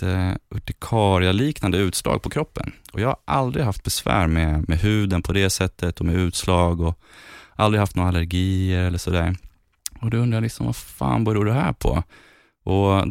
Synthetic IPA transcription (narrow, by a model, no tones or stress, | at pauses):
ɵʈɪkʰɑːɾɪaliːknand̪əʉ̟ːt̪slɑ̰ːɡ̚pʰɔkʰɾɔpːə̰nɔjɑːha̰ɾʔa̰ld̪ɾɪɡɦaft̪̚bɛsvæ̰ːɾmɛmɛɦʉ̟ːd̪ənpʰɔd̪ɛsɛt̪ʰːət̪ɔmɛʉ̟ːt̪slɑːɡɔʔald̪ɾɪɡhaft̪oːɾalæɾɡiːəɾɛlːəʂɔd̪æːɾ | ɔd̪ɔɵnd̪ɾajalɪksɔmvafa̰ːnbœɾjad̪ɛɦæːɾpʰɔ̰ | ʔɔ